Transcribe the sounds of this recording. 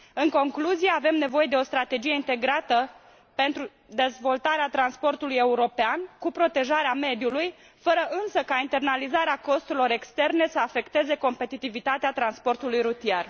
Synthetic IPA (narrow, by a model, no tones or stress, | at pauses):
ɨŋko̞ŋkluzije̞ave̞mne̞vo̞je̞d̪e̞o̞st̪ɾat̪e̞d͡ʒije̞int̪e̞ɡɾat̪ə | pe̞nt̪ɾu | d̪e̞zvo̞lt̪aɾeat̪ɾanspo̞rt̪uluje̞uɾo̞peankupɾo̞t̪e̞ʒaɾeame̞d̪juluj | fəɾəʔɨnsəkaint̪e̞rnalizaɾeako̞st̪uɾilo̞ɾe̞kst̪e̞rne̞səafe̞kt̪e̞ze̞ko̞mpe̞t̪it̪ivit̪at̪eat̪ɾanspo̞rt̪ulujɾut̪iar